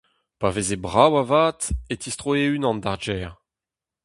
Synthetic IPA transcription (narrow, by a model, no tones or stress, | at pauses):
pavezebʁawavaːt̪etist̪ʁoeynɑ̃ndaʁd͡ʒɛːʁ